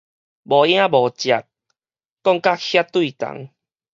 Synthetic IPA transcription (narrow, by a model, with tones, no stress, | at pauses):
bɔ˨˩j̃ã˦bɔ˨t͡ɕja˨˩t̚ | kɔ˥˧˨ŋka˦hja˦t̪wi˥˨t̪a̰˨˦ŋ